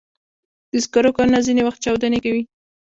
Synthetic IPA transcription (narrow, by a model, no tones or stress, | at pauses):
d̪̥əskaɾokɑɾnazinewaxt̪̚t͡ʃawd̪anekawi